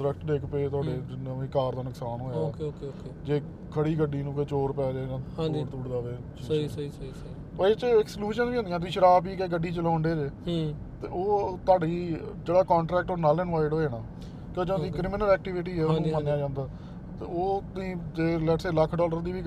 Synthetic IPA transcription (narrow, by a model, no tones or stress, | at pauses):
ɾəkʰʈɖ̪eːkpeːt̪ʊaːɖeːɪnãːʋĩːkaːɾd̪aːnʊksaːnɦoːjaoːked͡ʒeː | kʰəɽiːɡəɖiːnũːkeːt͡ʃoːɾpɛːd͡ʒaeːɡãːãiːɽt̪uːɽd̪aːʋeː | isi | əet͡ʃɪksljuːʃənʋiːʊ̃nd̪jãːt̪iːʃəɾaːpiːkeːɡəɖːiːt͡ʃəlãːɳɖeːd͡ʒeː | t̪eːoːt̪aːɖiːd͡ʒeːɽaːkɔ̃ːɳʈɾɛːk̚ʈoːnaːlɪnʋaːɪɖɦoːeːnaː | kjoːd͡ʒõːd̪iːkɾɪmɪnəlɛːk̚ʈɪʋɪʈ̬iːɛːonũmənːejaːd͡ʒãːnd̪aː | t̪ḛːoːĩːd͡ʒeːlɛːʈseːləkʰːɖɔːləɾd̪iːʋiː